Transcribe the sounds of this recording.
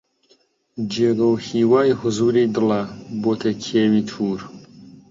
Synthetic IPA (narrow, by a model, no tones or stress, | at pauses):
d͡ʒeːɡɐwhiːwaːjhʊzuːɾiːd̪ɨlɐboːt̪ʰɐkʰeːwiːt̪ʰuːɾ